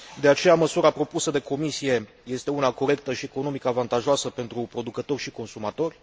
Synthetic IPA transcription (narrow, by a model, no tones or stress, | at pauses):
d̪e̞at͡ʃe̞jaməsuɾapɾo̞pusəd̪e̞ko̞misije̞ | je̞st̪e̞unako̞ɾe̞k̚t̪əʃie̞ko̞no̞mikəavant̪aʒoasəpe̞nt̪ɾupɾo̞d̪ukət̪o̞rʲʃiko̞nsumat̪o̞rʲ